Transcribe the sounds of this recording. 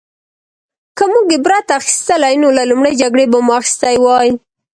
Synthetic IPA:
kamuɡebɾat̪axi̥st̪əlajnolalumɽəjd͡ʒaɡɽebamuaxi̥st̪ajwɑj

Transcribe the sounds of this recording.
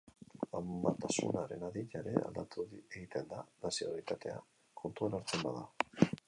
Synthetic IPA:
ambat̪asṵnaɾe̞naðiʎaɾe̞a̰ld̪at̪ueɣit̪e̞nd̪anasioaalit̪at̪e̞a̰ | kʰo̞nt̪uanaɾt͡se̞mbaða

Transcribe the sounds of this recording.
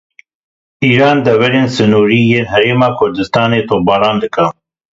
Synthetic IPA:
ʔiːɾɑːnd̪ɛvɛɾeːnsɨnuːɾiːjeːnɦɛɾeːmɑːkʰʊɾd̪ɨst̪ɑːneːt̪ʰoːbɑːɾɑːnd̪ɨkɐ

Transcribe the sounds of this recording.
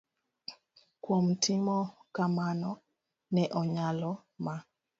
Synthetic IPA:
kwomtʰimɔkamanɔ | nɛʔɔɲalɔ | ma

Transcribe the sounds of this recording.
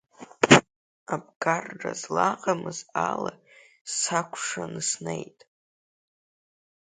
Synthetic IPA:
abɡarra̰zlaqʼamɨzala | sakʷʰʂanɨsnejtʼ

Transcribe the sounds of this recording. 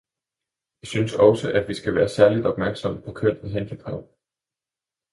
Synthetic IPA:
jɑ̈ɪsynsɒ̽səʔæd̥ʋisɡ̥æʋæːɐsæɐlid̥ɒ̽b̥mæɐɡ̥sɒ̽m̰əpʰɒ̽kʰøn̰iɦend̥ʰəkʰʁɑʊ̰

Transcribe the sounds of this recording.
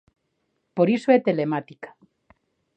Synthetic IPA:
poɾisoet̪e̞lemat̪ikḁ

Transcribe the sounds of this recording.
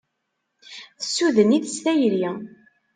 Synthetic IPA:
θəsːuðəniðəsθæjɾ

